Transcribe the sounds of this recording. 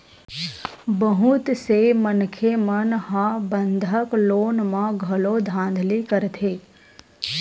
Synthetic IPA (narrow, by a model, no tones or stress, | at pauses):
bəɦut̪semənkʰemənɦãbənd̪ʱəkloːnmãɡʱɐlod̪ʱãːnd̪ʱlikəɾt̪ʰeː